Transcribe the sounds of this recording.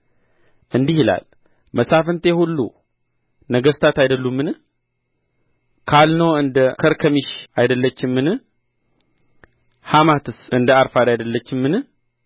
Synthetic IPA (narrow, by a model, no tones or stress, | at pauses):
ʔɨnd̪ihila̰l | məsafənt̪ʰehulːṵ | nəɡəst̪ʰat̪ajd̪əlːumːɨn | kʰalnəwɨnd̪əkʰəɾkʰəmiʃajd̪əlːət͡ʃːɪmːɨnɨ | hamat̪ʰɨsʔɨnd̪əaɾfad̪ajd̪əlːət͡ʃːɪmːɨnɨ